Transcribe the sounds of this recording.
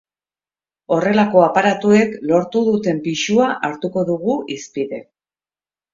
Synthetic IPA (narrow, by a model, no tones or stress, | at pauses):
o̞re̞lako̞apaɾat̪ue̞klo̞ɾt̪uðut̪e̞mpiʃuaʔaɾt̪uko̞ðuɣ̞uʔispiðe̞